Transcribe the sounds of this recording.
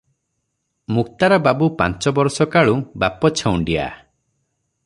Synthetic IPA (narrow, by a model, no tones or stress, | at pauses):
muk̚t̪aɾɔbabupa̰nt͡ʃɔbɔɾsɔkaɭubapɔt͡ʃʰawɳɖia̰